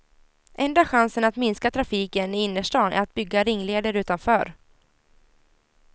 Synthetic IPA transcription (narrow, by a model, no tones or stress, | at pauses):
ʔɛnd̪aɧansənat̪mɪnskat̪ʰɾafiːkənɪɪnːəʂʈɑːnʔæ̰ɾat̪̚bʏɡːaɾɪŋːleːd̪əɾʉ̟ːt̪anfœːɾ